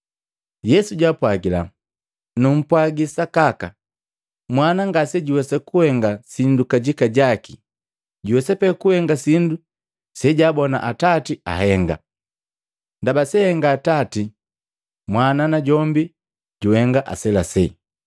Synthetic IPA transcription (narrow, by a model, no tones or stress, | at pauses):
jɛsuɟwapwaɡila̰ | num̩pwaɡisakaka | mwanaŋɡasɛɟiwɛsakuhɛŋɡasindukaɟikaɟaki | ɟuwɛsɛpɛkuhɛŋɡasindu | sɛɟaːbɔna̰ʔatatia̰hɛŋɡa̰ | ndabasɛhɛŋɡaːtati | mwananaɟɔmbi | ɟuhɛŋɡaʔa̰sɛlasɛ